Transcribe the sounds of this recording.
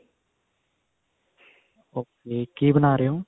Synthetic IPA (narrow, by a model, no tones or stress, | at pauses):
oːkeːkibənaːɾeɦõː